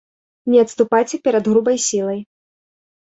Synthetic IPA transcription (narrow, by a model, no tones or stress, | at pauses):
nʲɛɐt̪st̪upajt͡sʲɛpʲɛɾɐd̪ɣɾubɐjsʲilˠɐj